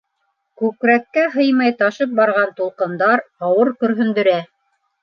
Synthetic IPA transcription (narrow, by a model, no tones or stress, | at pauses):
kʉkɾækːæɦɤjmɑjt̪ɑʃɤp̚bɑɾʁɑnt̪ulˠqɤ̆nd̪ɑɾɑwɤɾkɵ̆ɾɦɵ̆nd̪ɵ̆ɾæ